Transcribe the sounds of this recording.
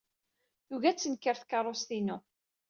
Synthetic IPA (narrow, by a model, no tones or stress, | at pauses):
juʝæt͡sːənkːəɾθkɑɾˤːost̪inu